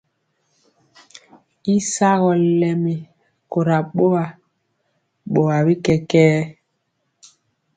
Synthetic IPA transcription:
i˦sa˦ɣɔ˨lɛ˨mi˨ | ko˨ɾa˨ɓo˦wa˨ | ɓo˨wa˨bi˦kɛ˦kɛː˦

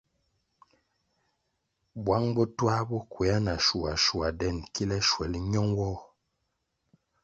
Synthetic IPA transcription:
bwa˨˦ŋbɔ˦twa˦bɔ˦kwe˨a˦na˨ʃu˨a˨ʃu˨a˨dɛ˦˨nki˦lɛ˦ʃwɛ˨lɲɔ˦ŋwɔ˦˨

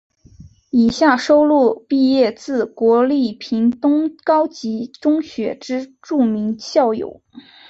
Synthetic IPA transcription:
i˨˩ɕja˥˩ʂo˥ʊlu˥˧pi˥˧jɛ˥˧t͡sɹ̩˥˩kwɔ˧˥li˥˩pʰi˧˥ŋt̪ʊ˥ŋkɑ˥ʊt͡ɕi˧˥ʈ͡ʂʊ˥ŋɕɥɛ˧˥ʈ͡ʂɻ̩˥ʈ͡ʂu˥˩mi˧˥ŋɕjɑ˥˩ʊjo̰˨˩˦ʊ

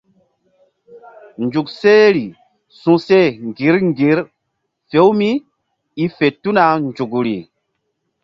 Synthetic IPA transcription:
nd͡ʒu˨kse˦ɾi˨ | sũ˨se˦˨ŋɡi˨˦ɾŋɡi˨˦ɾ | fe˦wmi˦ | i˦fe˨tu˦na˨nd͡ʒu˨ɡɾḭ˨

